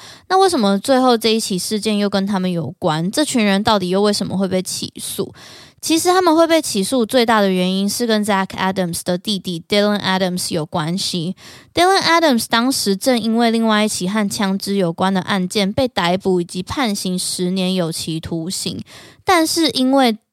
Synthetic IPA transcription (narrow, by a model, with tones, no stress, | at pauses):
na˥˧we˥˩ɪʂə˨˩mə˨˩t͡swe˥˧ɪxo˥˧ʊʈ͡ʂɤ˥˧i˥˩t͡ɕʰi˨˩ʂɻ̩˥˧t͡ɕjɛ˥˧njo˥˩ʊkə˦nt̪ʰa˥mə˨njo˨˩ʊkwa˦nʈ͡ʂɤ˥˧˩t͡ɕʰy˧˥nɻə˧˦nt̪ɑ˥˩ʊt̪i˨˩jo˥˧ʊwe˥˩ɪʂə˨˦mʔə̰˨˦xwe˥˧ɪpe˥˩ɪt͡ɕʰḭ˨˩˦sṵ˥˩ | t͡ɕʰi˧˥ʂɻ̩˧˥t̪ʰa˥mə˨nwe˥˧ɪpe˥˩ɪt͡ɕʰi˨˩su˥˧t͡swe˥˧ɪt̪a˥˩d̪ə˩ɥɛ˧˥ni˦˥nʂɻ̩˥˩kə˦nd͡ʒa˥kʰa˥də˨˩msd̪̥ə˩t̪i˥˧t̪i˥˩t̪i˥lə˧˩nʔa˥ɾə˨msjo˨˩ʊkwa˦nɕi˧˦t̪i˥lə˥na˦˥ɾə˨mst̪ɑ˥ŋʂɻ̩˨˦ʈ͡ʂə˥˩ŋi˥nwe˥˧li˥˧ŋwa˥˧ɪi˥˩t͡ɕʰi˨˩xa˥˩nt͡ɕʰjɑ˥ŋʈ͡ʂɻ̩˥jo˨˩ʊkwa˦nd̪ə˨ʔa˥˧nt͡ɕjɛ˥˨npe˥˩ɪt̪a˧˥ɪpu˨˥i˨˩t͡ɕi˨˥pʰa˥˩nɕi˧˥ŋʂɻ̩˧˦njɛ˧˦njo˨˩ʊt͡ɕʰi˧˥t̪ʰu˧˥ɕḭ˧˥ŋt̪a˥˧nʂɻ̩˥˩ʔi˥nwe˥˩ɪ